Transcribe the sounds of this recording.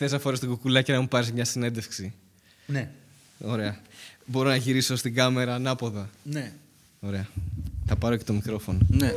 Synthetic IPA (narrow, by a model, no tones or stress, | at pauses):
θe̞sɐfo̞ɾest̪ɡukulɐcenɐmupɐɾizmɲɐsine̞nd̪e̞fksi | ne | o̞ɾe̞ɐbo̞ɾo̞nɐʝiɾisost̪iɡɐme̞ɾɐnɐpo̞ðɐne | o̞ɾe̞ɐθɐpɐɾo̞ce̞t̪o̞mikɾo̞fo̞none